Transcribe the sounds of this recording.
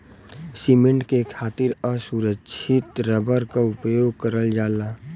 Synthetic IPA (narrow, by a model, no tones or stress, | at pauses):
simẽɳʈkekʰaːt̪ɪɾəsuɾəkːʃʰɪt̪ɾəbəɾkaʊpjoːɡ̚kəɾəld͡ʒaːla